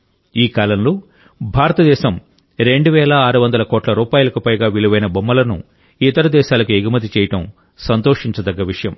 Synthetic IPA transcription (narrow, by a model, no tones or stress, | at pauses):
iːkaːlɐnloː | bʱaːɾɐt̪ɐd̪ɛːʃɐm | ɾe̞ɳɖuʋɛːlɐaːɾuʋɐnd̪ɐlɐkoːʈlɐɾuːpaːjulɐkupɐjɡaːʋiluʋɐjnɐbɐmːɐlɐnṵ | it̪ɐɾɐd̪ɛːʃaːlɐkueɡimɐt̪it͡ʃɛːjɐʈɐm | sɐnt̪oːʂiɲt͡ʃɐd̪ɐɡːɐʋiʂɐjɐm